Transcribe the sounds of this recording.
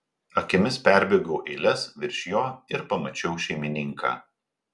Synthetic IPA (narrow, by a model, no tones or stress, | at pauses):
ɐkʲɪmʲɪspʲæˑɾʲbʲeːɡoʊʔɛɪlʲɛsʋʲɪɾʲʃʲjoːɪɾpɐmɐt͡ʃʲɛʊʃʲɛɪmʲɪnʲɪŋka̰ː